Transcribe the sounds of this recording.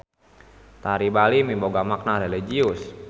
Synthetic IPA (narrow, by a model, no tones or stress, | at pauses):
t̪aɾibalimimboɡamak̚naɾeliɡiʊs